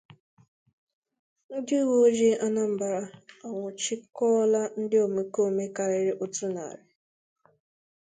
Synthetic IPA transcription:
n̩˦dɪ˦wo˦d͡ʒe˦a˦na˦m̩˨ba˨ɾa˨a˨ŋʷʊ˨t͡ʃi˦kɔ˦la˦n̩˦dɪ˦o˨me˨ko˦˨me˦ka˨ɾɪ˦ɾɪ˦ʔo˦tu˦na̰˨ɾɪ˦

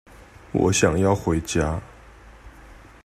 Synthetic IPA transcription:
wɔ̰˧˥ɕjɑ˨˩ŋjɑ˥˩ʊxwe˧˥ɪt͡ɕja˥

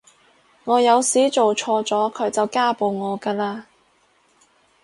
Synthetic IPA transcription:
ŋɔː˨˧jɐ˨˧wsiː˨˥t͡so˨wt͡ʃʰɔː˧t͡sɔː˨˥kʰɵ˨˥ɥt͡sɐ˨wkaː˥po˨wŋɔː˨˧kaː˧laː˧

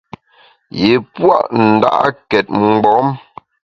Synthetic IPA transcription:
je˨pwa̰˦˨ʔn̩˨da̰˦ʔkɛ˨t̚ŋ͡mɡ͡bɔ˨˦m

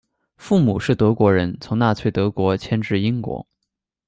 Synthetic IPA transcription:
fu˥˩mu˨˩ʂɻ̩˥˩t̪ɤ˧˥kwɔ˧˥ɻə˧˥nt͡sʰʊ˧˥ŋna˥˧t͡sʰwe˥˩t̪ɤ˧˥kwɔ˧˥t͡ɕʰjɛ˥nʈ͡ʂɻ̩˥˩i˥ŋkwɔ̰˧˥

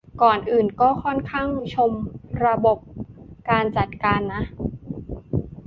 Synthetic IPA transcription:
kɔː˨˩nʔɯː˨˩nkɔː˥˩kʰɔ˥˩nkʰaː˥˩ŋt͡ɕʰo˧mɾa˧bo˨˩p̚kaː˧nt͡ɕa˨˩t̪̚kaː˧nːa˦˥ʔ

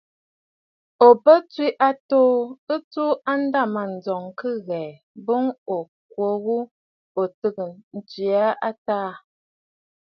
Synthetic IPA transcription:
o˨bə˦t͡swi˦ʔa˦toː˦ə˦t͡su˦a˦n̩˦da˦˨ma˨n̩˨d͡zɔ˨ŋkɨ˦ɣɛ˨ | bo˦ŋo˨ | kwo˨˦ɣu˦ | o˨tə˦ɡə˨n̩˨t͡si˨a˦ʔa˦taː˦

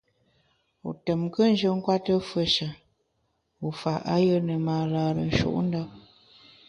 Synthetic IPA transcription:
ṵ˨tə˨mkə˦n̩˦d͡ʒə˦ŋ̩˦kwa˦tə˦fə˦ʃə˨ | u˨fa˨ʔa̰˦jə˦nə˨maː˨laː˨ɾə̰˨n̩˨˦ʃṵ˦˨ʔn̩˦da˦

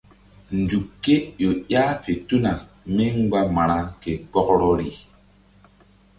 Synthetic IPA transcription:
nd͡ʒu˨kːe˦jo˨jaː˦fe˨tu˦na˨ | me˦ŋ˦ɡ͡ba˦ma˨ɾ̃a˨ke˨k͡pɔ˦kɾɔ˦ɾi˨

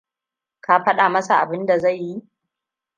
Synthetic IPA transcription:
ka˦ɸɐ˦ɗaː˨mɐ˦sa˨ʔa˨bɪ˦nda˨za˦˨jːi˦

